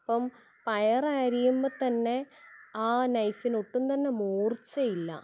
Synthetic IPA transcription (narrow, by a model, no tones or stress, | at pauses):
ɐpːɐm | pɐjɐraːɾijumbɐðt̪ɐnːe̞aːnɐjfinoʈːunt̪ɐnːe̞muːrt͡ɕːɐjilːɐ̰